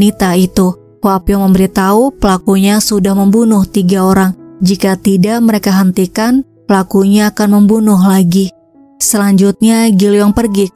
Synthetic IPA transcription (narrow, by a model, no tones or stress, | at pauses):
it̪ait̪u | hwapjaŋməmbəɾit̪aupəlakuɲasudahməmbunʊht̪iɡaoɾaŋd͡ʒikat̪idaʔməɾekaɦənt̪ikan | pəlakuɲaːkanməmbunʊɦlaɡi | səlaɲd͡ʒut̪̚ɲaɡiljaŋpərɡi